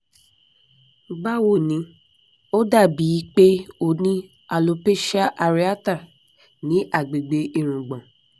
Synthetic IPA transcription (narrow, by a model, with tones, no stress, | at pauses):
ɡ͡ba˦wo˦˨nĩ˨˦ | o˦da˦˨bi˨˦k͡pe˦o˦˨nĩ˦ | a˨lo˧pe˦ʃa˦ʔa˧ɾi˦a˦ta˦˨ | nĩ˨˦ʔa˦˨ɡ͡be˨ɡ͡be˧ʔi˦˨ɾ̃ũ˨ɡ͡bɔ̃˨